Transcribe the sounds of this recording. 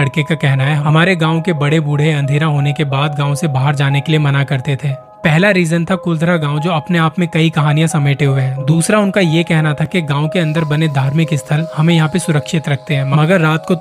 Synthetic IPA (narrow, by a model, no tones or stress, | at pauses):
ɽkekakɛɦnaɦɛɦɐmaːɾeɡãːõkebɐɽebuːɽ̤eɐ̃nd̪ʱeːɾaɦoːnekebaːd̪ɡãːõsebaːɦəɾd͡ʒaːnekeliemɐnakɐɾt̪et̪ʰeː | pɛɦlaɾiːzənt̪ʰakʊld̪ʱɾaɡãːw̃d͡ʒoːɐpneaːpmẽkɐikɐɦaːnijãsɐmeːʈeɦʊeɦɛ̃ːd̪uːsɾaʊnkajekɛɦnat̪ʰakiɡãːõkeɐ̃nd̪əɾbɐned̪ʱaːɾmẽkiɪst̪ʰəlhɐmẽjɐɦãpesʊɾəkʃɪt̪ɾɐk̚ʰt̪eɦɛ̃ːmɐmɐɡəɾːaːt̪ko